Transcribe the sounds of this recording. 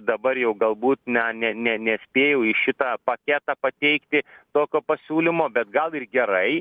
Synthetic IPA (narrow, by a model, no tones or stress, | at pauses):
d̪ɐbɐrjɛʊɡɐlˠbuːt̪nʲɐnʲɛnʲɛnʲɛsʲpʲeːjɛʊɪʃʲɪt̪ɑːpɐkʲæːt̪ɑpɐt̪ʲɛɪkt̪ʲɪt̪oːkʲoːpɐsʲuːlʲɪmoːbʲɛt̪̚ɡɐlˠɪrɡʲɛɾɐɪ